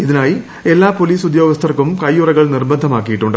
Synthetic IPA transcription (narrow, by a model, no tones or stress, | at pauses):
iðinaːji | e̞lːaːpoliːsud̪joːɡɐst̪ʰɐrkumkɐjːurɐɣɐɭnirbɐnd̪ʱɐmaːkːijiʈːuɳɖɨ